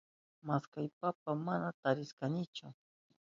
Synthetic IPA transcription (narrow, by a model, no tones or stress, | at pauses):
maskajpapamanat̪aɾɪskanɪt͡ʃʊ